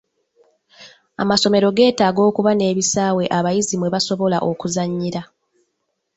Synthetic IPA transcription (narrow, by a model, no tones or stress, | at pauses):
a̰maso̞me̞ɾo̞ɡe̞ːtaːɡo̞ːkuβane̞ːβisaːwe̞ʔaβajizimwe̞βaso̞βo̞la̰ʔo̞kuzaɲːiɾa